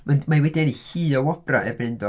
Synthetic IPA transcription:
manmawɛdiɛnihiːɔwɔb̥ra̰ʔɛbrɪndɔ

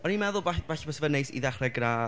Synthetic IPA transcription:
ɔnimɛðʊlˠbab̥aɬbɔsvənejsḭðaχrɛɡra

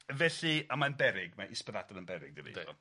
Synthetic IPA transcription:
vɛɬiamanbɛɾɪɡmaʔɪspəðadɔlənbɛɾɪɡ̚dənḭɔ̰

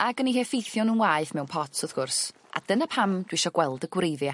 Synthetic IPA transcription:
aɡənihefejθjɔnənwaːɨθmɛwnpʰɔtʰsɔðɡ̥ʊrs | ʔa̰d̥ənapʰamd̥wiʃɔɡ̥wɛlˠdəɡwrejðja

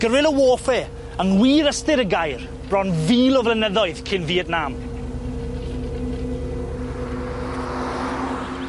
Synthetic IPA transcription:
ɡ̥əɾwɪlˠəwoːfɛ | əŋwiːɾəstɪɾəɡajr | b̥rɔnviːlɔvlɛnəðɔɨðkʰɪnviːətnaːm

